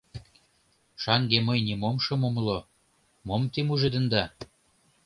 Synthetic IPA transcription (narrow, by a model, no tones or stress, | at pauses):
ʃɑŋɡemɤjnʲimomʃɤ̆momlo | momt̪imuʒĕd̪ə̆nd̪ɑ